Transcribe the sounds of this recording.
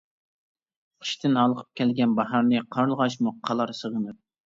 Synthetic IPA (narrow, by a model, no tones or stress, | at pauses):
qʰə̥ʃt̪ʰɪnɑlˠəqʰə̥p̚kʲɛlɡʲɛnbɑɦɑɾnɨqʰɑɾlˠʁɑʃmuqʰɑlˠɑɾsəʁənɨɾ